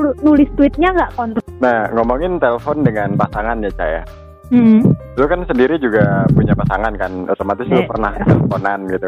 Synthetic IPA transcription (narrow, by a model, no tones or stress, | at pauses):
nulɪst̪uɪt̪̚ɲaŋɡaʔkɔnt̪naŋomɔŋɪnt̪eləfɔndəŋanpasaŋanɲat͡ʃa̰ja̰ | m̩ | lukansəndiɾid͡ʒuɡapuɲapasaŋankanot̪omat̪ɪslupərnaht̪ɛlfonanɡit̪u